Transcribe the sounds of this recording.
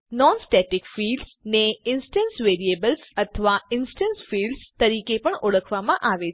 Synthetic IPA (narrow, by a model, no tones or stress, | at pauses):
nɔnsʈeʈɪkfiːlɖsneɪnsʈənsʋeːɾiebəlsət̪ʰəʋaɪnsʈənsfiːlɖst̪əɾiːkepəɳoɽəkʰʋamãʔaːʋe